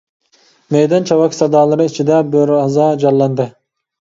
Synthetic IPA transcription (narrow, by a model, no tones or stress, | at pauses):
mɛjd̪ɑnt͡ʃʰɑwɑkʲsɑd̪ɑːlˠɨɾɯit͡ʃʰid̪ɛbøɾɑzɑd͡ʒɑlˠːɑnd̪ɨ